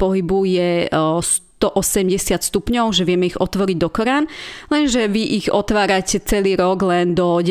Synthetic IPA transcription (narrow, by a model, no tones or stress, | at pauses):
pɔɦibujɛst̪ɔʔɔsɛmɟɛsɪat̪st̪upɲɔʊʒɛʋɪɛmɛiɣɔt̪ʋɔɾiɟd̪ɔkɔɾaːnlɛnʒɛʋiʔiɣɔt̪ʋaːɾacɛt͡sɛliːɾɔɡlɛnd̪ɔɟ